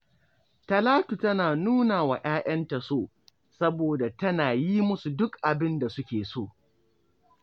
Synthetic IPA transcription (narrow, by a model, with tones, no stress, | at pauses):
tɐ˨laː˦tu˨tɐ˦naː˨nuː˦naː˨wa˨ʔaː˦ʔɐ˦nta˨soː˦˨ | sɐ˦boː˨da˨tɐ˦naː˨ji˦mʊ˦su˨dʊ˦kʔa˨bɪ˦nda˨sʊ˦kʲeː˨soː˦˨